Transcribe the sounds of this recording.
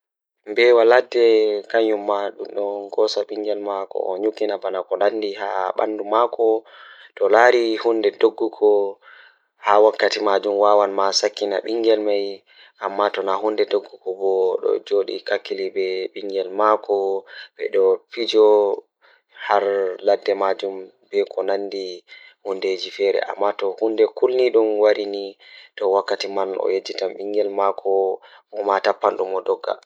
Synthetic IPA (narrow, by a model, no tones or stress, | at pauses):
mbɛwalatɛkaɲumːaɗumɗɔɡɔsaɓiŋɡɛlmakɔ̰ʔɔ̰ɲukːinabanakɔnandiha̰ɓa̰ndumakɔtɔlaɾihundɛdoɡːukʰɔ | hawakːatimad͡ʒumwawanmasakːina̰ɓiŋɡɛlmaj | ʔamːatɔnaɦundɛdoɡːukɔbɔɗɔ̰d͡ʒoɗḭkakːilibɛɓiŋɡɛlmakʰɔɓɛ̰ɗɔpid͡ʒɔ | haɾladːɛmad͡ʒum | bɛkʰɔnandihunded͡ʒifɛɾɛ̰ʔa̰mːatɔhundɛkulniɗumwaɾinitɔwakːatimanɔ̰jed͡ʒːitamɓiŋɡɛlmakʰɔɔmatapːanɗumɔdɔɡːa̰